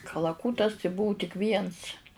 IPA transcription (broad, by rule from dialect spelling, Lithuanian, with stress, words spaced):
kɐlˠɐˈkuːtɐs tɐɪ ˈbʊʊ tʲɪk ˈʋʲiɛns